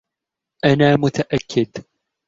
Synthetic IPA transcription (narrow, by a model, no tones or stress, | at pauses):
ʔanaːmʊt̪aʔakʰːɪd̪